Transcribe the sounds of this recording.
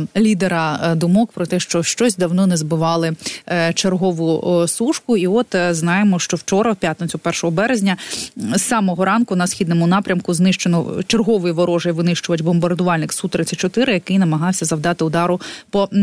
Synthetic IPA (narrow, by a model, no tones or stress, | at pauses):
lʲid̪eɾɐd̪ʊmɔkpɾɔt̪ɛʃt͡ʃɔʃt͡ʃɔsʲd̪ɐwnɔnɛzbɪʋɑlˠɪt͡ʃerɦɔʋʊsuʃkʊiɔt̪znɑjemɔʃt͡ʃɔwt͡ʃɔɾɐwpʲjat̪net͡sʲʊpɛrʃɔɦɔbɛɾezʲnʲɐsɑmɔɦɔɾɑnkʊnɐsxʲid̪nɔmʊnɑpɾʲɐmkʊznɪʃt͡ʃenɔt͡ʃerɦɔʋɪjiʋɔɾɔʒejʋɪnɪʃt͡ʃʊjɐtʲbɔmbɐrd̪ʊʋɑlʲnɪksut̪ɾɪt͡sʲːɐt̚ʲt͡ʃɔt̪ɪɾɪjɐkɪjnɐmɐɦɑwsʲɐzɐwd̪ɑt̪ɪʊd̪ɑɾʊpɔ